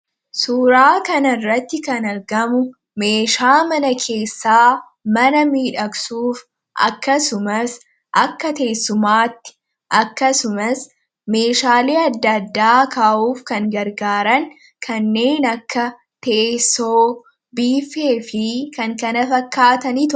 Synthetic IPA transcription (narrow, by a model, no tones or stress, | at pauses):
suːɾaːkɐnɐrːɐt̪ːɪkɐnɐɾɡɐmʊ | me̞ːʃaːmɐnɐkʰe̞ːsːaː | mɐnɐmiːᶑɐksuːf | ʔɐ̰kːɐsʊmɐs | ʔɐkːɐt̪e̞ːsːʊmaːt̪ːɪ̥ | ʔɐkːɐsʊmɐs | me̞ːʃaːliːɐd̪ːɐd̪ːaːkaːʔuːfkɐŋɡɐɾɡaːɾɐŋ | kʰɐnːe̞ːnɐkːɐ | t̪esːoː | biːfe̞ːfɪkɐŋkɐnɐfɐkːaːt̪ɐniːt̪